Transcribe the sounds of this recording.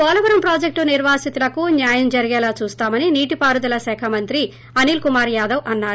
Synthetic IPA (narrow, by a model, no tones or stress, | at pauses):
ɔːlɐʋɐɾɐmpɾaːd͡ʒek̚ʈuniɾʋaːsit̪ilɐkunjaːjɐmd͡ʒɐɾiɡɛːlaːt͡ʃuːst̪aːmɐniniːʈipaːɾud̪ɐlɐsɛːkʰɐmɐnt̪ɾi | ɐniːlkumaːɾjaːd̪ɐwʔɐnːaːɾ